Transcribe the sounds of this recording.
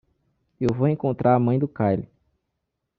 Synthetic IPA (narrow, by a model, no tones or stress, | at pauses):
ewvowẽkõnt̪ɾʔaɾɐmɐ̃j̃d̪ʊkajlɪ